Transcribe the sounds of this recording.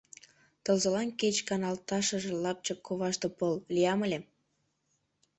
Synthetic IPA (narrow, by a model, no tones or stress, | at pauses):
t̪əlzəlɑnket͡ɕkɑnɑlt̪ɑʃə̆ʒĕlɑp̚t͡ɕəkːoβɑʃt̪opəllijɑməlʲe